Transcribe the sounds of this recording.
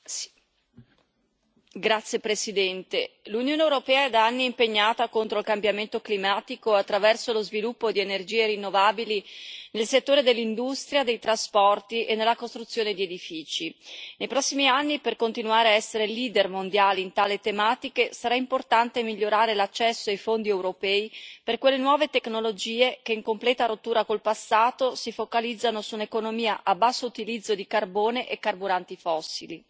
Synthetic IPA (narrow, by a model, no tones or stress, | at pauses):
ɡɾat̪sːjepɾesid̪ɛnt̪elunjoːneːwɾopɛːaɛd̪aanːiːmpeɲːaːt̪akont̪ɾoilkambjament̪oklimaːt̪ikoat̪ːɾavɛrsolozvilupːod̪ienerd͡ʒiːeɾinːovaːbilinelset̪ːoːɾed̪elːind̪ust̪ɾjad̪ejt̪ɾaspɔrt̪iʔenːelːakost̪ɾut̪sːjoːned̪ied̪ifiːt͡ʃinejpɾɔsːimianːiperkont̪inuaːɾeaɛsːeɾeliːd̪ermond̪jaːliint̪aːlet̪emaːt̪ikesaɾaimport̪ant̪emiʎːoɾaːɾelat͡ʃːɛsːoajfond̪iɛwɾopɛːiperkwelːenwɔːvet̪eknolod͡ʒiːekeiŋkomplɛːt̪aɾot̪ːuːɾakolpasːaːt̪osifokalid̪zːanosunekonomiːaʔabːasːout̪ilid̪zːod̪ikarboːneʔekːarbuɾant̪ifɔsːḭli